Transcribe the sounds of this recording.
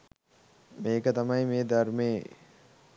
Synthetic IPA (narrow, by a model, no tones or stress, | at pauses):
mekat̪ɐmãĩmẽd̪əɾme